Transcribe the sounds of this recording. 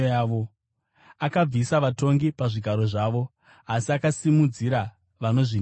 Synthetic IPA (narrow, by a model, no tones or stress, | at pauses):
aːʋo | akab͡visaʋato̞ŋɡipaʐiɡʱaɾo̞ʐaːʋo̞ | asiakasimud͡ziɾa | ʋano̞ʐin